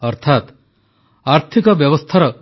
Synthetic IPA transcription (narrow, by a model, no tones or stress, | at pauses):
ɔɾt̪ʰat̪ | aɾt̪ʰikɔbjɔbɔst̪ʰaɾɔ